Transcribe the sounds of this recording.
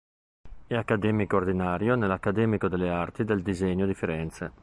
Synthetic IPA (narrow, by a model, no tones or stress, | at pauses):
ɛakːad̪ɛːmikoord̪inaːɾjonelakːad̪ɛːmikod̪elːeart̪id̪eld̪izeɲːod̪ifiɾɛnt̪sḛ